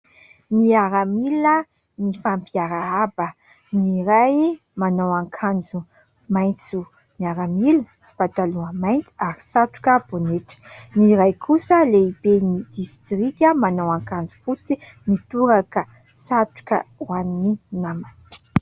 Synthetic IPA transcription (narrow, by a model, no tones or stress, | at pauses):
niaɾamilə | nifampiaɾaabə | niɾaj | manowaŋkʰand͡zu | majnt͡su | niaɾamilsi̥pat̪aluəmajnt̪i̥aɾisaʈ͡ʂu̥kəb̥oneʈ͡ʂə̥niɾajkʰusəleibenid̪̥ist̪ɾikʲəmanowaŋkand͡zu̥fut͡si | nit̪uɾakə | saʈ͡ʂu̥kʲə̰wanininaman